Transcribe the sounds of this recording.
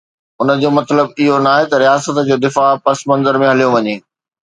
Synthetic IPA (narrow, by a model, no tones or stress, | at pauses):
ʊnə̆d͡ʑoːmɐt̪ləbɪɦonaːɦet̪ɐɾijaːsət̪d͡ʑoːd̪ɪfaːpɐsmɐ̃nzəɾmẽɦɐlijoʋɐɲeː